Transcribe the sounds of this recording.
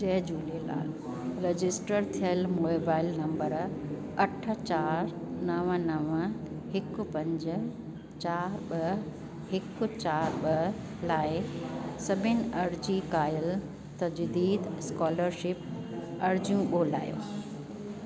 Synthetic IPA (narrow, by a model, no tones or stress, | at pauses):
d͡ʑɐɦd͡ʑuːlela̰ː | ɾed͡ʑɪsʈəɾt̪ʰijəlmobaːɪlnɐ̃mbəɾ | ɐʈ̆ʰt͡ɕaːɾnɐʋənɐʋ | ɦɪkʊ̆pɐ̃ɲd͡ʑ̆ | t͡ɕaːɾɓɐ | hɪkʊ̆t͡ɕaːɾɓɐ | laːɪsɐbʱɪnɪ̆ɐɾd͡ʑikaːjəl | t̪ɐd͡ʑd̪iːd̪skɔːləɾʃɪp | ɐɾd͡ʑijũɓoːla̰ːjo̰ː